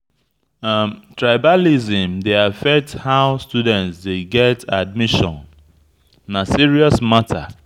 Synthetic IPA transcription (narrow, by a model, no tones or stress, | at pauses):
mtɹaɪbalizĩmdeafɛk̚thaʊstudɛ̃ntsdeɡɛtad̚miʃɔ̰̃nː | asiɹiɔsmatʰa